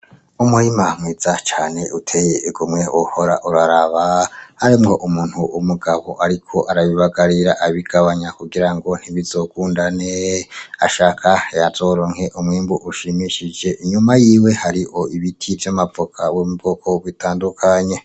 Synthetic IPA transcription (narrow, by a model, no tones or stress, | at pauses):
umuɾimamwiːz̥at͡ʃaːne̞utʰe̞jeʔiɡumŋeuho̞ɾaʔuɾaɾaβahaɾimŋo̞ʔumuːn̥huʔumuɡaβo̞ʔaɾikʰo̞ʔaɾaβiβaɡaɾiɾaʔaβiɡ̥aβaɲakuɡiɾaŋɡo̞n̥iβizo̞ːkuːndanea̰ʃaːkʰajaz̥o̞ːɾoŋ̥he̞ʔumŋiːmbuʔuʃimiʃid͡ʒe̞ʔiɲumajiːwe̞haɾiho̞iβitʰivjamavokʰawomuβokʰo̞βwitʰaːndukʰaɲe̞